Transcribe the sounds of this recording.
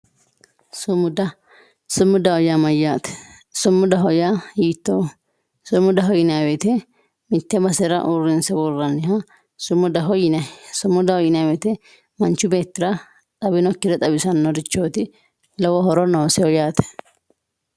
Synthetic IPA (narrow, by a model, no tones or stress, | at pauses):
sʊmʊd̪ɐ | sʊmːʊd̪ɐhɔjamɐjaːt̪ɛ̥ | sʊmːʊd̪ɐɦɔjajiːt̪ːoː | sʊmʊd̪ɐɦɔjɪnabɛt̪ɛ | mɪt̪ːɛbɐsɛɾɐ̰ʔurːɪnsɛbɔrːɐnːɪhɐ | sʊmːʊd̪ɐɦɔjɪnɐsʊmːʊd̪ɐhɔjɪnjabɛt̪ɛ | mɐnt͡ʃːʊbe̞ːt̪ːɪɾɐ | t̪ʼɐbɪnɔkːɪɾɛt̪ʼɐbɪsɐnːɔd̪ɪt͡ʃːoːt̪ɪ | lɐwɔhɔɾɔnɔwsɛɔjaːt̪ɛ̥